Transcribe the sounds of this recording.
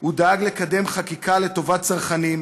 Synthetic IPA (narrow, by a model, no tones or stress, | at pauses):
ud̪aaɡle̞kad̪e̞mχakikʰale̞t̪o̞vat̚t͡saʁχanim